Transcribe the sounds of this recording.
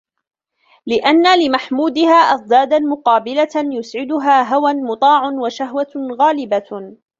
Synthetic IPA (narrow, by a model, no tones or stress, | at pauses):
lɪʔanːalɪmaħmuːd̪ɪhaːʔɑsˤd̪aːd̪amʊqɑːbɪlajʊsʕɪd̪ʊɦaːɦawanmʊt̪ˤɑːʕʊnwaʃaɦwaɣaːlɪba